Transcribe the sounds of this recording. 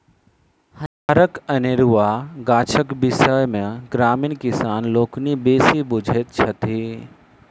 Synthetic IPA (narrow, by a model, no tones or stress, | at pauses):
hɐaːɾəkɐnɪɾuʋaɡaːt͡ʃʰəkbɪsəjmẽɡɾaːmiːnkɪsaːnloːknibeːsibʊd͡ʒʱet̪̚t͡ʃʰɐt̪e